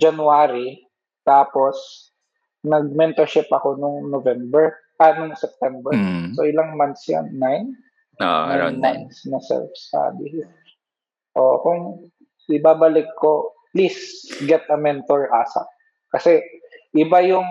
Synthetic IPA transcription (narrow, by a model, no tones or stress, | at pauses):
d͡ʒɐnʊaːɾi | t̪aːpo̞s | nɐɡ̚mɛnt̪ɛɹʃɪpɐko̞nʊŋnovɛmbɛɹ | ʔɐnʊŋsɛp̚t̪ɛmbɛɹsoʔɪlaŋmant̪sja̰nːajn | namant̪snɐsɛ̰lfsa̰d̪ɪ | ʔokʊŋ | ʔɪbaːbɐlɪkʰːo | plisɡɛt̪ʔɐmɛnt̪oɹʔaːsɐ̰ | kɐsɛʔɪbajʊŋ